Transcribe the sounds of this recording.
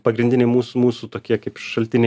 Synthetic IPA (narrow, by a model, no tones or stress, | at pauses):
pɐɡɾʲɪnʲd̪ʲɪnʲɛɪmuːsumuːsuːt̪oːkʲiɛkɐɪpʃʃɐlʲt̪ʲɪnʲe